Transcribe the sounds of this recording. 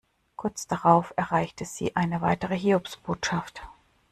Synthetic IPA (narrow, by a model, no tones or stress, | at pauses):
kʰʊɐt͡sd̥aʁaʊfɛɐʁaɪçtʰəz̥ḭːʔaɪnəvaɪtəʁəɦiːopsb̥oːtʃaft